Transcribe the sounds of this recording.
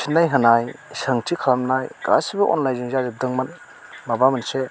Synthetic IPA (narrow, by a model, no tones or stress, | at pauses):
sʰinːajɦɐnajsɐŋtʰikʰalamnajka̰sibɐʔɔ̰nlajziŋzazip̚dɯŋman | mabamɐnse